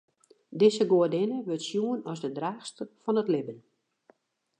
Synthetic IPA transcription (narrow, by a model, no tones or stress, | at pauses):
dɪsəɡoədɪnəʋøtsjuənɔzdədraːxstəfɔnətlɪbən